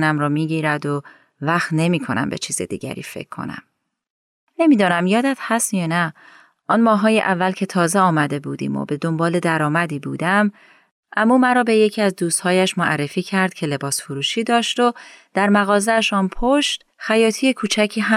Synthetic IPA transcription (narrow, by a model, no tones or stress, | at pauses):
næmɾɔːmiːɟiːɾæd̪o | væxt̪ne̞miːkʰo̞næ̰mbe̞̰t͡ʃʰiːzḛd̪ḭːɟæ̰ɾḭːfe̞̰cʰːo̰næ̰m | ne̞miːd̪ɒːnæmjɒːd̪æt̪hæst̪jɒːnæ | ʔɒːnmɒːɦɒːjeʔævːælcʰe̞t̪ʰɒːzeɒːmæd̪e̞buːd̪ḭːmo̰be̞d̪o̞mbɒːle̞d̪æɾɒːmæd̪iːbuːd̪æm | ʔæmːumæɾɒːbe̞je̞cʰiːæzd̪uːst̪hɒːjæʃmoʔærːe̞fiːcʰæɾd̪̥cʰe̞le̞bɒːsfoɾuːʃiːd̪ɒːʃt̪od̪̥æɾmæɣɒːzeæʃɒːnpʰoʃt̪ | xæjɒːt̪ʰijekʰuːt͡ʃʰæcʰiːɦæ